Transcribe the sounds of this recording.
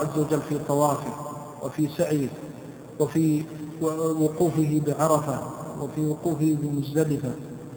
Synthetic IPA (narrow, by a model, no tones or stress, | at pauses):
ʕazːawad͡ʒalːfiːt̪ˤɑwɑːfɪ | wʔafiːsaʕjɪ | wafiː | wʊquːfɪɦɪbɪʕɑɾˤɑfawafiːwʊquːfɪhɪbɪmʊd͡ʒd̪alɪfa